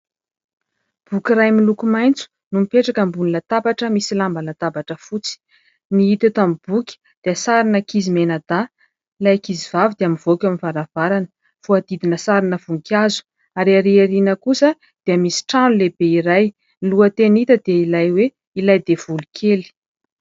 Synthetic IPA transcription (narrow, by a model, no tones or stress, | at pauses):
b̥ukiɾajmilukumajnt͡su̥ | numipeʈ͡ʂakəmbuninat̪abaʈ͡ʂəmisilambanat̪abaʈ͡ʂəfut͡si̥ | niit̪at̪amib̥ukʲi̥ | d̪̥eəsaɾinəkizimenad̪a | ilajkiziv̥avid̪̥eamiv̥okʲaminvaɾav̥aɾanə̥ | fuad̪̥id̪inəsaɾinəvuŋkʲazu̥ | aɾiaɾiaɾinəkusə | d̪̥eəmisi̥ʈ͡ʂanulebeiɾaj | niluət̪enit̪əd̪eilajwe | ilajd̪ev̥ulukʰeli̥